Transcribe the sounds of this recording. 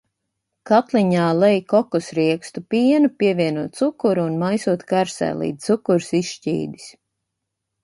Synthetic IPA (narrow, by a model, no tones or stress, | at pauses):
kat̪liɲaːlˠɛjkɔkɔsɾiɛkst̪upiɛnupʲiɛviɛnuɔt̪̚t̪sukuɾuːnmajsuɔt̪kaɾsɛ̰ːlˠḭːukuɾsisʃcḭːd̪i̥s